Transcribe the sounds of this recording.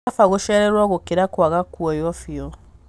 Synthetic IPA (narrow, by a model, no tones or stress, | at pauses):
afaɣoʃɛɾɛɾwaɣokeɾakwaɣakwɔjɔfjɔ